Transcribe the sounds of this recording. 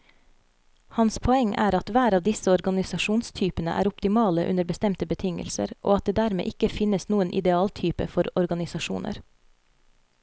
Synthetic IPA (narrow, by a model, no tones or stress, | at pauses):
hɑnspʰɔɛŋʔæ̰ːɾɑt̪ʋæːɾɑːʋd̪ɪsəɔɾɡɑnɪsɑʃuːnst̪ʰyːpənə̰ʔæ̰ːɾʊpt̪ɪmɑːləʔʉ̰nəɾbəst̪ɛmt̪əbət̪ʰɪŋə̰lsə̰ɾʔo̰ːɑt̪̚eːd̪æːɾmḛːʔɪkəfɪnəsnuːənʔɪ̰d̪ɛɑːlt̪ʰyːpə̰fɔɾɔɾɡɑnɪsɑʃṵːnʔə̰ɾ